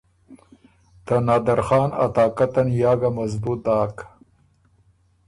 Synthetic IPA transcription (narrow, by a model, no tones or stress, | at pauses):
t̪anaːd̪ɐɾxɑːnɐ̰t̪aːkat̪ɐnjaːɡamɐzbuːt̪̚d̪aːk